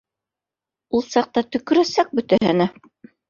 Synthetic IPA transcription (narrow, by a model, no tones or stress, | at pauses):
ulˠsɑq̚t̪ɑt̪ɵ̆kɵ̆ɾæsæk̚bɵ̆t̪æɦɘ̆næ